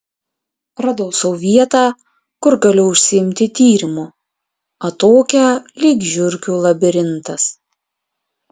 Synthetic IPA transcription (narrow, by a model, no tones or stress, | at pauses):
ɾɐd̪oʊsɔʊʋʲiɛt̪ɑː | kʊɾɡɐlʲʊʊʃʲsʲɪɪmʲt̪ʲɪt̪ʲiːɾʲɪmu | ɐt̪oːkʲɛlʲiːɡʒʲʊɾʲkʲuːlˠɐbʲɪɾʲɪnt̪ɐs